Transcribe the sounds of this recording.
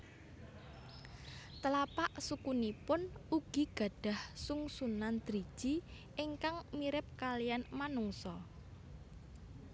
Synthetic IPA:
t̪əlapaʔsukunipʊnuɡ̥i̤ɡ̥ä̤ɖ̥a̤hsuŋsunand̪̥ɾid̥ʒ̥i̤ | ʔɪŋkaŋmiɾɪp̚kalijanmanuŋsɔ

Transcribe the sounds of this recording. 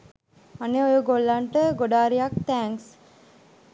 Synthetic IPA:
aneojəɡolːaɳʈəɡoɖaːɾijak̚t̪ɛːŋs

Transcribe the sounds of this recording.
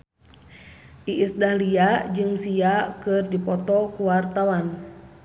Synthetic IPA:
ʔiʔisdahliad͡ʒɨŋsiakɨrdipɔt̪ɔkuwart̪awan

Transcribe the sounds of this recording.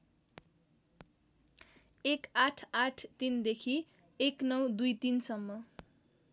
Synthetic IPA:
ekaʈʰaʈʰt̪ind̪ekʰi | eknʌwd̪ujt̪insʌmːʌ

